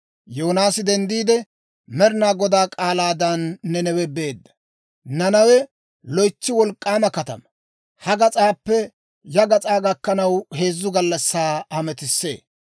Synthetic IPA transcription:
joːnaːsɪd̪ɛnd̪iːd̪ɛ | mɛɾɪnaːɡɔd̪aːkʼaːlaːd̪ɐnːɛnɛwɛbe̞ːd̪ːɐ̥ | nɐnɐwɛ | lɔjt͡ʃːɪwɔlkʼːaːmɐkɐt̪ɐ̰mɐ | hɐɡɐt͡sʼaːpːɛ | jɐɡɐt͡sʼaːɡɐkːɐnɐwhe̞ːzːʊɡɐlːɐsːaːhɐmɛt̪ɪsːe̞̰ː

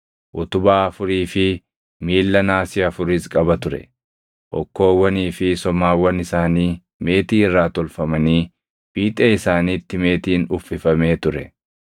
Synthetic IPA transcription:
ʔʊt̪ʊbaːɐfʊɾiːfɪ | miːlːɐnaːsɪɐfʊɾɪskʼɐbɐt̪ʊɾɛ̰ | ʔɔkːo̞ːwːɐniːfɪsɔmaːwːɐnɪsaːniː | me̞ːt̪iːɪrːaːt̪ɔlfɐmɐniː | b̥iːt̪ʼeːɪsaːniːt̪ːɪme̞ːt̪iːnʊfːɪfɐme̞ːt̪ʊɾɛ

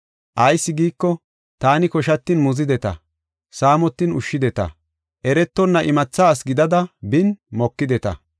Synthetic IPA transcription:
ʔɐjsːɪɡiːkːɔ | t̪aːnɪkɔʃɐt̪ːɪnmʊzɪd̪ɛt̪ɐ̰ | saːmɔt̪ːɪnʊʃːɪd̪ɛt̪ɐ̰ | ʔɛɾɛt̪ːɔnːɐʔɪmɐt͡sːaːsɡɪd̪ɐd̪ɐbɪnmɔkːɪd̪ɛt̪ɐ̰

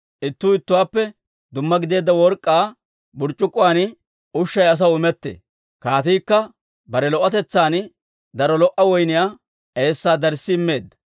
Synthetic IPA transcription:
ʔɪt̪ːuːɪt̪ːʊwaːpːɛ | d̪ʊmːɐɡɪd̪e̞ːd̪ːɐwɔɾkʼːaː | bʊɾt͡ʃʼːʊkʼːʊwan | ʊʃːɐjɐs̬ɐwʊmɛt̪ːḛː | kaːt̪iːkːɐ | bɐɾɛlɔʔɐt̪ɛt͡sːaːn | d̪ɐɾɔlɔʔɐwɔjnɪjaː | e̞ːsːaːd̪ɐɾsːɪɪmːe̞ːd̪ːɐ̥

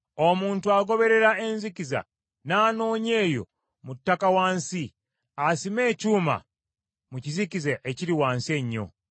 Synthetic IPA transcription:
o̞muːntuaɡo̞βe̞ɾe̞ɾaenzikiza̰ | naːno̞ːɲe̞ːjo̞̰ | mutːakawaːnsi | asime̞ːcuːma̰ | mucizikizeʔeciɾiwaːnsie̞ɲːo̞̰

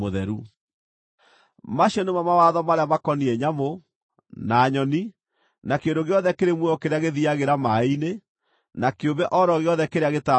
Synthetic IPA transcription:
oðɛɾu | maɕiɔnemamawaðɔmaɾeamakɔniɛɲamo | naːɲɔni | nakendoɣeɔðɛkeɾemwɛɔkeɾeaɣeðiaɣeɾamaine | nakeobɛʔɔɾɔɣeɔðɛkeɾeaɣeta

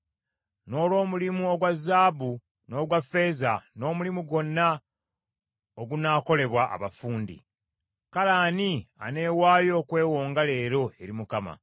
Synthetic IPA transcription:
no̞ːlwo̞ːmulimuo̞ɡwazːaːbu | no̞ːɡwafːe̞ːzano̞ːmulimuɡo̞nːa | oɡunaːko̞le̞βwaʔa̰βafuːndḭ | kalaːnia̰ne̞ːwaːjo̞ːkwe̞ːwo̞ːŋɡale̞ːɾo̞e̞ɾimukama̰

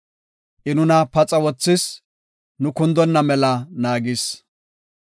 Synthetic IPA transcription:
ʔɪnʊnɐpɐt͡sʼɐwɔt͡sːɪs | nʊkʊnd̪ɔnːɐmɛlɐnaːɡɪs

